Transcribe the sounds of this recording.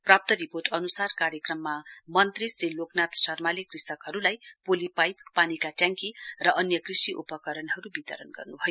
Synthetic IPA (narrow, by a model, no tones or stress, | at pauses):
prap̚t̪ʌɾiporʈʌnusarkaɾjekrʌmːamʌnt̪risɾeloknat̪sʌrmalikrisʌkɦʌɾulajpolipajpːanikaʈjãŋkirʌʔʌnjʌkrisiʔṵpʌkʌɾʌnɦʌɾubit̪ʌ̰ɾʌnɡʌ̰rnubʱʌjo